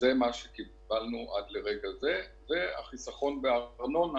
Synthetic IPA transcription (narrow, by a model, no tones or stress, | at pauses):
zemaʃe̞ki | balnuʔadle̞ʁe̞ɡaze̞ve̞a̰χisaχo̞nbeaʁnon